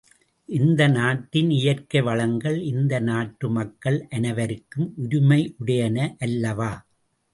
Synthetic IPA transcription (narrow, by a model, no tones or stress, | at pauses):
ʔɪnd̪ɐnaːʈːɪnɪjɐrkɐɪʋɐɭɐŋɡɐɭɪnd̪ɐnaːʈɾɯmɐkːɐɭʔɐnɐʋɐɾɯkːɯmʔʊɾʊmɐɪʔʊɽɐjɐnɐʔɐlːɐʋaː